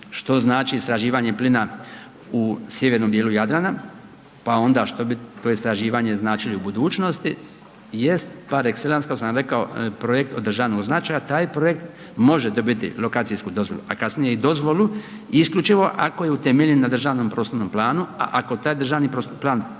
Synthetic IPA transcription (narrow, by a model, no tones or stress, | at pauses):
ʃt̪o̞znaːt͡ʃiːst̪ɾaʒiːʋaɲeplina | usje̞ʋeɾno̞mb̪jeːlujad̪ɾana | pao̞nd̪aʃt̪o̞bit̪oeist̪ɾaʒiːʋaɲe̞znaːt͡ʃiliubud̪uːt͡ʃno̞st̪i | jest̪paɾekselanskakosamɾe̞kaopɾo̞je̞kt̪o̞d̪rʒaːnooznat͡ʃaːjat̪aːjpɾo̞jekt̪ | mo̞ʒed̪o̞bit̪ḭlo̞kaːt̪sijskud̪o̞zʋo̞̰lṵakasnije̞id̪o̞zʋo̞lu | iskʎʲut͡ʃiʋo̞ʔako̞jeut̪emeʎenːad̪r̩ʒaːʋnoːmpɾo̞ːst̪oɾnomplˠaːnua̰ʔako̞t̪aːjd̪ɾrʒaːʋnipɾost̪plˠaːn